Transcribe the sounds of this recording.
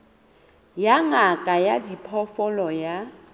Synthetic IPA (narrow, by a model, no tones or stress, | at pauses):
jaŋakʼajadipʰɔfɔlɔja